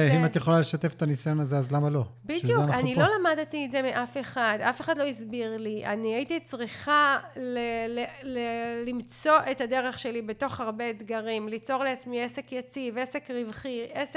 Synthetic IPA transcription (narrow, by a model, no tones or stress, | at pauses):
imat̪jeχolale̞ʃat̪efe̥t̪anisajonazeazlamalo̞biʃdejueanaannilo̞lamadtiːtze̞meʔafe̞χada̰fe̞χadlo̞izbiʁliʔa̰niajitit͡sʁiχalelelelimt͡so̞ʔetade̞ʁe̞χʃe̞libe̞to̞χaʁbe̞d̪ɡaʁimlit͡so̞ʁleat͡smiese̞kjat͡sive̞se̞kʁivχiʔese